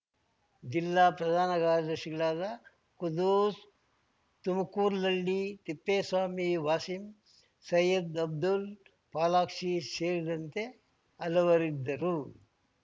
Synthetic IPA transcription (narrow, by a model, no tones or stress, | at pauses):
d͡ʒilːaːpɾɐd̪ʱaːnɐɡaːɾɐd̪ɐɾʂiɡɐɭaːd̪ɐ | kud̪uːs | t̪umɐkuːɾlɐlːit̪ipːeːsʋaːmiʋaːsim | sɐjɐd̪ɐb̚d̪ul | paːlaːkʂiseːɾid̪ɐnt̪e̞ | ɐlɐʋɐɾid̪ːɐɾu